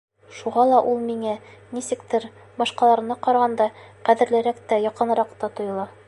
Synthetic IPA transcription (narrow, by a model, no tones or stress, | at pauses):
ʃuʁɑlˠɑʔulˠmiŋænisɘ̆kt̪ɘɾ | bɒʃqɑlˠɑɾɤ̆nɑqɒɾɑʁɑnd̪ɑqæðɘ̆ɾlɘ̆ɾækt̪æjɒqɤ̆nɾɑqt̪ɑt̪ŏjɤ̆lˠɑ